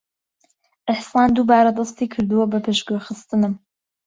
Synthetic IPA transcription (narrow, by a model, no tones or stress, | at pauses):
ʔɪħsɑːnd̪ubaːɾad̪ɑst̪iːkʰɨɾd̪uwɐbɐpʰɨʃɡojxɨst̪ɨnɨm